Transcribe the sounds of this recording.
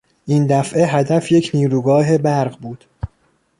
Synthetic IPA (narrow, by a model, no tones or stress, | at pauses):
ʔind̪æfʔeɦæd̪æfjecʰniːɾuːɡɒːɦe̞bæɾʁbuːd̪̥